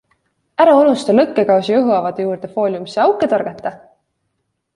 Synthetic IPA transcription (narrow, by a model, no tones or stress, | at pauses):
æɾɑonust̪ɑlɤkːe̞kɑwsijuɦuɑvɑd̪̥ejuːrd̪̥e̞fo̞ːlʲjumiseɑwkːˑe̞t̪ɑɾɡ̥ɑt̪ːˑɑ